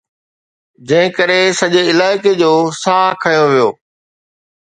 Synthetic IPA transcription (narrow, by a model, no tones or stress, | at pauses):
d͡ʑɐ̃ɦɪ̃kɐɾesɐʄeɪlaːɪked͡ʑoːsaːkʰɐjoʋijo̰ː